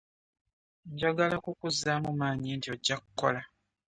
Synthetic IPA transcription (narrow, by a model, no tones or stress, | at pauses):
ɲɟaɡalakukuzamumaːɲintioɟːakukːo̞̰la